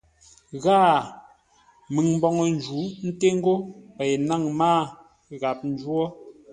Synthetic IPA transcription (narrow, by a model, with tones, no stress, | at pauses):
ɣaː˦˨ | mi˨ŋm̩˦bɔ˨ŋɔ˨n˦d͡ʒu˨˦n̩˦te˦ŋ̩˦ɡo˦pɛ˨jna˦˨ŋmaː˦˨ | ɣa˨p̚n̩˦d͡ʒwɔ˦